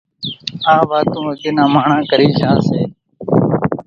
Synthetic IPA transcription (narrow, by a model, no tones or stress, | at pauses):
aːʋaːt̪ũːɡɪnãːmaːɳãːkəɾiːd͡ʒãːseː